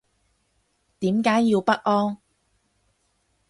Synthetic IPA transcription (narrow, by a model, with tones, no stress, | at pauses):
t̪iː˨˥mkaː˨˥jːiː˧wpɐ˥k̚ʔɔː˥ŋ